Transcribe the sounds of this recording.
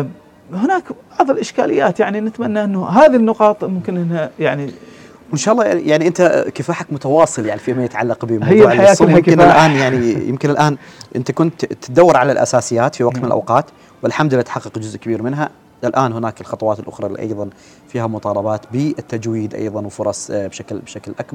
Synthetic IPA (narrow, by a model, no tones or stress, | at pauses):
hɪnaːkb̥ɑʕðˤɪlʔɪʃka̰ːlɪ̰jːaːt̪jaʕninɪt̪manːaʔənːʊɦaːðinːʊqɑːt̪ˤmʊmkɪnʔɪnhajaʕni | wɪnʃaːɑlːɑːjaʕniʔɪnt̪akɪfaːħakmʊt̪awɑːsˤɨljaʕnifimajɪt̪ʕalːɑqbəmhɪjːaajjaːsˤmmɪnːlʔaːnjaʕnijɪ̰mkɪnɪlʔaːnʔɪ̰nt̪akʊnt̪ːɪd̪awːɑɾˤʕalalʔa̰saːsɪjːaːt̪fiwɑɡ̚t̪mɪnɪlʔa̰wqɑːt̪ | wɪlħamd̪lʔat̪ħɑqːɨqd͡ʒʊzʔkabiːɾmɪnɦa | ɪlʔaːnɦʊnaːkɪlxɑt̪ˤɑwɑːt̪ɪlʔʊ̰xɾˤɑlḭːʔɑ̰jðˤɑn | fiːhamʊt̪ˤɑːlɑbɑːt̪bəɪt̪ːad͡ʒwiːd̪ʔɑ̰jðˤɑnwfʊɾˤɑsˤbʃaklbʃaklʔakbɑɾ